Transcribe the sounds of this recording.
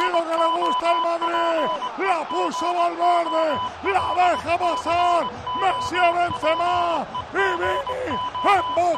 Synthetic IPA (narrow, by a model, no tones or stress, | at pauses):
ilokeleɣust̪aelmaðɾilapusoβalβeɾðelaðexapasaɾmesiaβensenaiβiniembo